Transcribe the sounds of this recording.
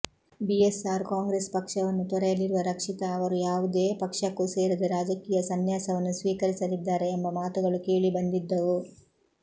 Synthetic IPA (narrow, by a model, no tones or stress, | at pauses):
biesaːɾkaːŋɡɾeːspɐkʂɐʋɐnːut̪ɔɾɐjɐliɾuʋɐɾɐkʂit̪ɐːʋɐɾujaːʋud̪e̞ːpɐkʂɐkːuse̞ːɾud̪uɾaːd͡ʒɐkiːjɐsɐnjaːsɐʋɐnːusʋiːkɐɾisɐlid̪ːaːɾe̞ːmbɐmaːt̪uɡɐɭukeːɭibɐnd̪id̪ːɐʋu